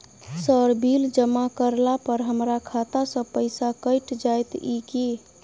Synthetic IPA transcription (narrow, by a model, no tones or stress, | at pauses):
səɾbʱild͡ʒəmakəɾlapəɾɦəmɾakʰat̪asə̃pəɪsakəɪʈd͡ʒajt̪iki